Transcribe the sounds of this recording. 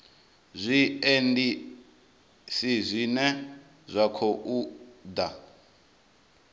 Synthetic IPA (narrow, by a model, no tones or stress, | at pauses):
zʷiendi | sizʷinɛ | zʷakʰɔʔud̪a